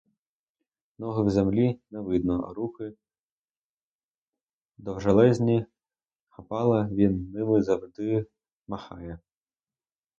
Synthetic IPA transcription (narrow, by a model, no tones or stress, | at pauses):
nɔɦɪwzemlʲinɛʋɪd̪̚nɔ̰ɾuxɪ | d̪ɔwʒɐlˠɛzʲnʲi | xɐpɑlˠɐʋʲinːɪmɪzɐwʐd̪ɪ | mɐxɑjɛ